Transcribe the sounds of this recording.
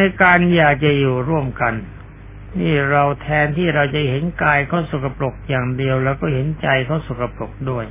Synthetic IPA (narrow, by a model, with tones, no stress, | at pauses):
a˧jkaː˧njaː˨˩k̚t͡ɕa˨˩juː˨˩ɾu˥˩əmka˧n | niː˥˩ɾa˧wt̪ʰɛː˧nt̪ʰiː˥˩ɾa˧wt͡ɕa˨˩he˩˦nkaː˧jkʰɔː˦˥˩wsu˨˩ka˧plo˨˩k̚jaː˨˩ŋdi˧əwlɛː˧˩wkɔː˥˩ɦe˩˦nt͡ɕa˧jkʰɔː˦˥˩su˨˩ka˧plo˨˩k̚du˥˩əj